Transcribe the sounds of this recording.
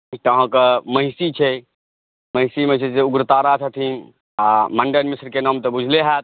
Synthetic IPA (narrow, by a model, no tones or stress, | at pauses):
ʈ̪əɦãkəməɪsit͡ʃʰɛ | məɪsiməɦsiseuɡɾət̪aːɾat͡ʃʰət̪ʰin | aməɳɖənmisɾkenamt̪ebud͡ʒʱleɦɛt̪̚